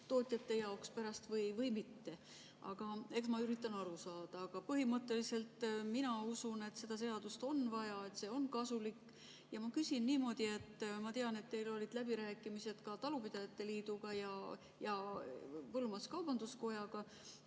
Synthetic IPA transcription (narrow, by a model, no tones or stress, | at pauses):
t̪o̞ːt̪ˑjɑt̪ːe̞jɑokspæɾɑst̪vɤjvɤjmit̪ːe̞ | ʔɑ̰ɡ̥ɑe̞ksmɑyɾit̪ːˑɑnɑɾusɑːd̪̥ɑːɡ̥ɑpɤɦimɤt̪ːˑe̞lise̞lt̪minɑusune̞t̪se̞d̪̥ɑs̬e̞ɑd̪ust̪o̞nvɑjɑe̞t̪se̞ːo̞nkɑsulikː | jɑmɑkysinːiːmo̞d̪̥ie̞t̪ːˑmɑt̪eɑne̞t̪ːe̞jlo̞lʲid̪̥læb̥iɾæːkːˑimise̞d̪̥kɑt̪ɑlupid̪̥ɑjɑt̪ːe̞liːd̪̥uɡ̥ɑjɑ | jɑ | pɤlmɑskɑwb̥ɑnd̪̥usko̞jɑɡ̥ɑ